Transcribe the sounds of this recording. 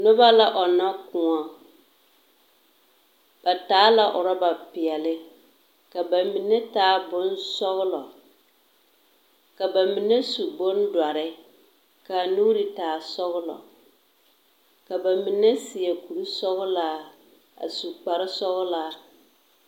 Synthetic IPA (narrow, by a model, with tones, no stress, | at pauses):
nʊ˦ba˦la˦ʔɔ˨na˦kʊ˨ɔ˨ | b̥a˨taː˨˦la˨ʔʊ˨ɾa˦ba˨pɪ˨ɛ˨lɪ˦ | ka˨ba˨mi˨ne˦taː˦bʊ˦nsɔ˦ɣʊ˦lɔ˨ | ka˨ba˨mi˨ne˦su˨bʊ˦n˦dwa˨ɾɪ˦ | ka˨nuː˦ɾi˨taː˨sɔ˦ɣʊ˦lɔ̰˨ | ka˨ba˨mi˨ne˦sɪ˨ɛ˨ku˨ɾi˦sɔ˦ɣʊ˦laː˦ | a̰˨su˨k͡pa˨ɾɪ˦sɔ˦ɣʊ˦laː˦